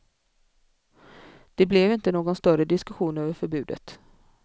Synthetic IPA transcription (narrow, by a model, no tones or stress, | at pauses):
d̪̥ɛblɛvɪnt̪ənoːɡɔnst̪œɾəd̪ɪskɵɧuːnøːvəɾfœɾbʉ̟ːd̪ə̰t̪